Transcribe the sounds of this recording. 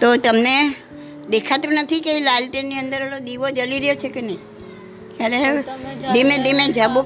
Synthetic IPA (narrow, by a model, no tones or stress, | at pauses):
t̪ot̪əmne | d̪ekʰat̪ũnət̪ʰikeilalʈenːiənd̪əɾəlod̪iʋod͡ʒəliɾəjot͡ʃʰekenəj | aled̪imed̪imed͡ʒabo